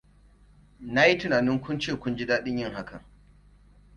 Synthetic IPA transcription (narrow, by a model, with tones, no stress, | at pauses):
na˦ji˦tɪ˨naː˨nɪ˦ŋkʷʊ˦nt͡ʃeː˦˨kʷʊ˦nd͡ʒi˦daː˦ɗɪ˦ɲjɪ˦ŋɦa˦kɐ˨ŋ